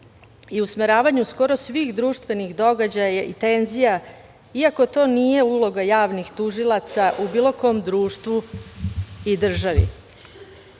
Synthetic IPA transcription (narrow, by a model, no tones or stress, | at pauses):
iusmeɾaːʋaɲusko̞ɾo̞sʋiːxd̪ɾuːʃt̪ʋe̞nixd̪o̞ɡad͡ʑajajeʔit̪e̞nzija | iako̞t̪o̞ːnije̞ulˠo̞ɡajaːʋnixt̪uʒilˠat̪saʔubiːlˠo̞ko̞ːmd̪ɾuːʃt̪ʋu | id̪r̩ʒaʋḭ